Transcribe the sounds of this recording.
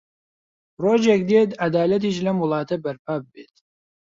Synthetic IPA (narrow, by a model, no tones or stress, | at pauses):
roːd͡ʒek̚d̪et̪ad̪aːlɐt̪̬iːʃlɐmʊlˠɑːt̪ɐbɐɾpʰaːbɨbeːt̪